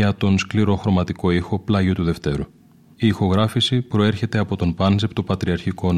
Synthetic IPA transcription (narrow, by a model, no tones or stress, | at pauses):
ɐt̪o̞nskliɾo̞xɾo̞mɐt̪iko̞ixo̞plɐʝo̞t̪uðe̞ft̪e̞ɾu | iːxo̞ɣɾɐfisipɾo̞e̞ɾçe̞t̪e̞ɐpo̞t̪o̞npɐnzept̪opɐt̪ɾiɐɾçiko̞n